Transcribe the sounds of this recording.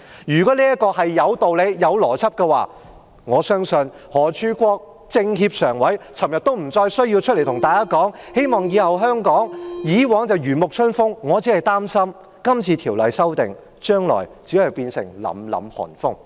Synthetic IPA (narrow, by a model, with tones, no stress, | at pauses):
jyː˨˩kɔ˨˥liː˥jɐ˥kːɔː˧hɐ˨jːɐ˨˧wt̪o˨wle˨˧jjɐ˨˧wlɔː˨˩t͡sʰɐ˥p̚kɛ˧wa̰ː˨ | ŋɔː˨˧sœː˥ŋsɵ˨n | hɔː˨˩t͡ʃʰyː˥kʷɔː˧k̚ | t͡sɪ˧ŋɦiː˧p̚sœː˨˩ŋwɐ˨˥jt͡sʰɐ˨˩mjɐ˨t̪̚o˥wm̩˨˩t͡sɔː˧jsɵ˥ɥjiː˧wt͡ʃʰt̚lt̪ʊ˨˩ŋt̪aː˨jkaː˥kɔː˨˥ŋ | he˥jmɔː˨ŋjiː˨˧hɐ˨wɦœː˥ŋkɔː˨˥ŋjiː˨˥wɔː˨˥ŋt͡sɐ˨˧wjyː˨˩nmʊ˨k̚sʰɵ˥nfʊ˥ŋːŋɔː˨˧t͡siː˨˥hɐ˨jt̪aː˥msɐ˥m | kɐ˥mt͡sʰiː˨˧t̪ʰiː˨˩wlɐ˨jsɐ˥wt̪ɪ˨ŋ | t͡ʃœː˥ŋlɔ̰ː˨˩jt͡siː˨˥hɐ˨jpiː˧nsɪ̰˨˩ŋlɐ̰˨˥mlɐ̰˨˧mhɔ̰ː˨˩nfʊ˥ŋ